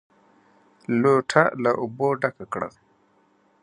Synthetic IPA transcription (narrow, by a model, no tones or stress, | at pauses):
loʈʰalaʔuboɖakakɽa̰l